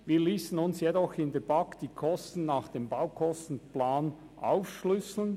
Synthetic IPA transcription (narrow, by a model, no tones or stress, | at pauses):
viːɐliːsn̩ʊnsjɛdɔxɪndeːbakd̥iːkʰɔstn̩naːχd̥eːmbaʊkʰɔstn̩plaːn | ʔa̰ʊfʃlʏsl̩n